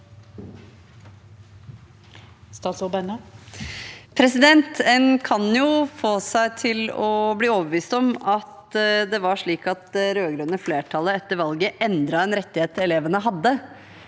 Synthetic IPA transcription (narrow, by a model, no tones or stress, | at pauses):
st̪ɑːt̪sɔbɛnə | pʰɾɛsɪd̪ɛnt̪ɛnkʰɑnjʊfoːsæɪt̪ʰɪlɔbliːoːʋəbəʋiːst̪ɔmɑt̪d̪ɛʋɑʂɭiːkɑt̪ɾøːɡɾœnəfleːʈʰɑləɛt̪ːəɾʋɑlɡəʔɛnd̪ɾɑɛnɾɛt̪ːɪheːt̪ːɛleːʋənəɦɑd̪ːə